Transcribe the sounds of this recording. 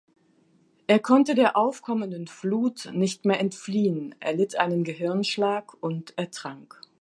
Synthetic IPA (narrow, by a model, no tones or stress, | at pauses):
ʔeːɐkʰɔntədeːɐʔaʊfkʰɔməndənfluːtnɪçtmeːɐʔɛntfliːənʔḛɐlɪtʔa̰ɪnənɡəɦɪɐnʃlaːkʔʊnteɐtʁ̥aŋk